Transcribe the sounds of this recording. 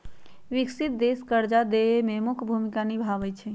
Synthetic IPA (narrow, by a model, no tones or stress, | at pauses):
ʋiksit̪̚d̪eskəɾd͡ʒad̪eememukʰbʱumikanibʱabɛt͡ʃʰɛ